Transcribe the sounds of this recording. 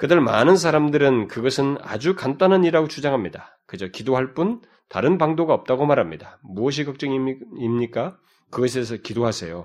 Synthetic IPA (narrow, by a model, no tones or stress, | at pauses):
kɯdɯɭma̰nɯns̬ʰaɾamdɯɾɯnkɯɡʌsʰɯna̰d͡ʑukant͈anɦaɲiɾaɡot͡ɕʰud͡ʑaŋɦamɲida | kɯd͡ʑokidoɦaɭp͈un | ta̰ɾɯnpaŋdoɡaʌp̚t͈aɡomaɾɦamɲidamuʌɕ̬ʰikʌk̚t͡ɕ͈ʌŋiimɲik͈a | kɯɡʌs̬ʰe̞s̬ʰʌkidoɦasʰe̞̰jo